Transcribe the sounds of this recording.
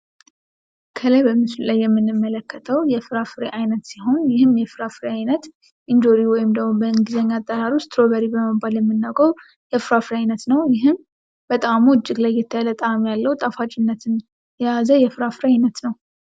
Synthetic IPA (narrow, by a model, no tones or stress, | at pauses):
kʰəlajbəmɨslulajːɛmːɨnːɨmːələkːət̪ʰəwjɛfɨɾafɨɾeʔajnət̪siɦo̞njɪhɨmjɛfɨɾafɨɾeajnət̪ | ʔɨnd͡ʒoɾiwɔjɪmd̪əɡmobəɨŋɡɨzəɲːat̪ʼːəɾaɾiʊst̪ʰɾo̞βəɾibəməbaljɛmːɨnːaɡəɾ | jɛfɨɾafɨɾeajnət̪nəwjɪɦɨm | b̥ət̪ʼamuɨt͡ʃːɪɡlajːɛt̪ʰːəjalət̪ʼamjalːəhut̪ʼafat͡ʃʼɪnːət̪ʰɨn | jɛjazəjɛfɨɾafɨɾeajnət̪nəw